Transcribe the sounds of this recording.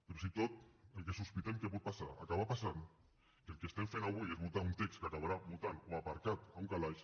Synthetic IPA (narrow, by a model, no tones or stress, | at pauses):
peɾosit̪ot̪elkesuspit̪emkeput̪̚pasaa̰kaβapasan | kelˠkest̪eɱfenaβuiezβut̪aunt̪ekskakaβaɾaβut̪anoapaɾkat̪auŋkalaʃ